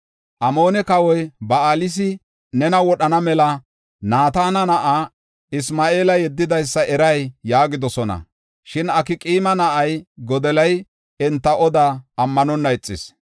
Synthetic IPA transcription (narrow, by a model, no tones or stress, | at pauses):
ʔɐmo̞ːnɛkɐwɔjbɐaːlɪs̬ɪ | nɛnɐwɔɗɐnɐmɛlɐ | naːt̪aːnɐnɐʔaː | ɪsmaːe̞ːlɐjɛd̪ːɪd̪ɐjsːɐʔɛɾɐjːaːɡɪd̪ɔsɔnɐ̰ | ʃɪnɐkɪkʼiːmɐnɐʔɐjɡɔd̪ɛlɐj | ɛnt̪ːɐʔɔd̪aːɐmːɐnɔnːɐɛt͡sʼːɪs